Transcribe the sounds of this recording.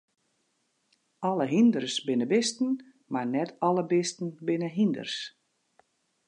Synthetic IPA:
ɔləɦindərsbɪnəbɪstən̩ | marnɛtʰɔləbɪstən̩bɪnəɦində̰rs

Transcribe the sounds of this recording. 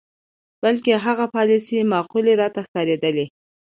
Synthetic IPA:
b̥alkeɦaɣapɑlisimɑquleɾɑt̪axkɑɾed̪əle

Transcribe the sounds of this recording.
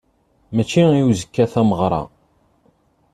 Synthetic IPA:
mæt͡ʃːiiuzəkːæθæməʁɾˤɑ̰

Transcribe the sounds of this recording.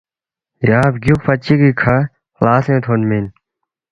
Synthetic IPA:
jaːbɡjukpʰɐt͡ɕikikʰa | klaːsẽːt̪ʰonmin

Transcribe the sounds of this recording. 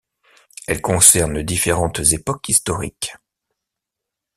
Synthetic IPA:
ɛlkɔ̃sɛʁnəd̪ifeʁɑ̃t̪zepɔkist̪ɔʁḭk

